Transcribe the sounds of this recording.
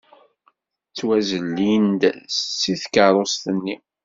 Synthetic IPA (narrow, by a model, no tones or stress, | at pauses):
t͡sːwæzəlːind̪siθkəɾˤost̪ənːi